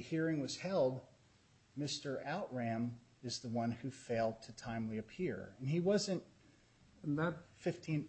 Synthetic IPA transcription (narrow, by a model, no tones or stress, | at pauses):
hiɹɪ̃ŋwʌz̥hɛlˠd̚ | mɪstə˞ʔaʊʔ̚ɹæ̃mɨzðəwʌ̃nhʉfeɪlˠd̚tʰɨtʰãɪ̃mliɨpʰɪɹɨ̃niwʌzɨ̃nt̚ | n̩ðət̚fɪftʰĩn